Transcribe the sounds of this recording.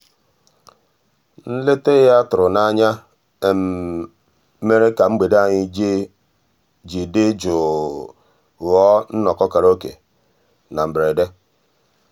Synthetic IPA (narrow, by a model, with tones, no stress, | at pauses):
n̩˦le˦te˦ja˦tʊ˨ɾʊ˨na˨˦ɲa˦ | e˨m˨˦ | me˦ɾe˦ka˨ŋ͡m̩˦ɡ͡be˨da˦˨ɲɪ˦ | d͡ʒi˨de˦d͡ʒʊ˨ | ɣɔ˦n̩˦nɔ˨kɔ˦ka˨ɾo˦kḛ˨ | na˨m̩˨bɾe˨de˦